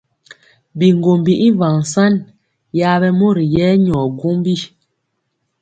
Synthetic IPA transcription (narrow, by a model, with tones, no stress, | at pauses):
bi˨ŋ˨ɡo˨mbi˨ʔi˦va˨ŋ˨sa˦n | ja˨˦bɛ˦mo˦ɾi˨jɛ˦ɲɔ˨ɡo˦mbi˦